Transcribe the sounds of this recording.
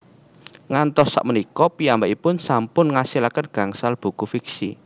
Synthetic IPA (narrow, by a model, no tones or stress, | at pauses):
ŋant̪ɔsːa̰ʔmənikɔpiambaʔipʊnsampʊnŋasilakənɡ̥a̤ŋsalb̥ṳkufiksḭ